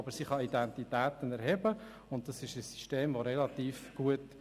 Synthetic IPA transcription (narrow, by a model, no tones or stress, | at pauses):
bəɾsiχɑidɛnt̪itæːt̪ənɛɾɦɛbə | ʊnt̚dɑsɪʃəsːi̥ʃteːmʋoɾɛlɑt̪iːfɡ̥uət